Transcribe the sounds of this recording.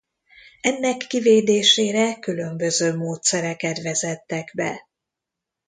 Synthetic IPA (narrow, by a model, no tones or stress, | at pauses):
ɛnːɛkːiveːd̪eːʃeːɾɛkylø̞mbø̞zøːmoːt̪sɛɾɛkɛt̪ʋɛzɛt̪ːɛɡbɛ̰